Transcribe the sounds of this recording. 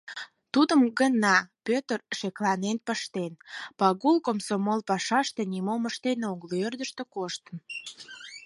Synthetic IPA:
t̪ud̪əmɡənɑpøt̪ərʃeklɑnenpəʃt̪enpɑɣulkomsomolpɑʃɑʃt̪e̽nimoməʃt̪enoɣlørd̪əʃt̪ekoʃt̪əm

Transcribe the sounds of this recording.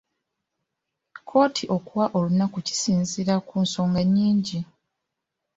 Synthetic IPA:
kʰo̞ːtʰiʔo̞kuwaʔo̞lunakuci̥siːnziɾakunso̞ːŋɡaɲːiːɲɟi

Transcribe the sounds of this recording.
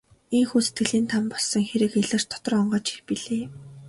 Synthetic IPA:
eŋxuːset̪̚ɡɘ̆ɮiːnt̪ʰampɔɮsɞ̆ŋxeɾɘ̆xeɮɘ̆rt̪ʰɔ̥t̪ɞ̆rɔɴɢɔːt͡ɕi̥xpiɮeː

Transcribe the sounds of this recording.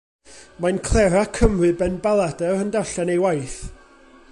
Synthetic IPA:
mankʰlˠɛɾakʰəmrɨbɛnbalˠadərəndaɬanejwajθ

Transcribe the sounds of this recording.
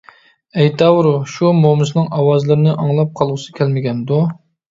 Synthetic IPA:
ɛjt̪ʰɑwɾuʃumomɨsnɨŋʔɑwɑzlˠɨɾɪnɨʔɑŋlˠɑp̚qʰɑlˠʁʊsɨ̥kʲʰɛlmɪɡʲɛnd̪u

